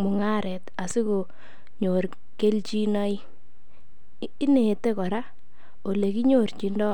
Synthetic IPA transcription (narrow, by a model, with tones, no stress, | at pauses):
mʊ˨ŋa˦ɾɛ˨ta˨si˦ko˨ | ɲo˨r | ke˦lt͡ʃi˦nɔ˦i˦ | i˦ne˨te˦kɔ˨ɾa˦ | o˨le˨ki˦ɲo˨rt͡ʃi˦ndɔ˦